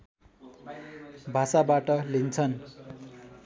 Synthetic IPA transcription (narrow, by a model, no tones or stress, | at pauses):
bʱasabaʈʌlint͡sʰʌn